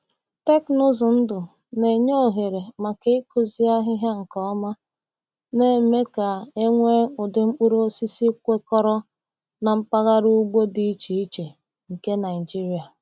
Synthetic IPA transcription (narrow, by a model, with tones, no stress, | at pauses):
te˦knʊ˦zʊ˨n̩˦dʊ˨ | ne˨ɲo˦o˨ɦe˨ɾe˨ma˨ke˦ɪ˦kʊ˨zi˦a˦ɦɪ˦ɦa˦ŋ̩˨kɔ˦ma˦ | ne˨me˦ka˨e˦ŋʷe˦ʊ˨dɪ˨ŋ͡m̩˦k͡pu˦ɾo˦si˦si˦kʷe˦kɔ˦ɾɔ˦ | na˨m̩˦pa˦ɣa˦ɾu˦ɡ͡bo˦di˦i˦t͡ʃi˨i˦t͡ʃe˨ | ŋ̩˨ke˦na˨ɪ˨d͡ʒi˦ɾi˨a˨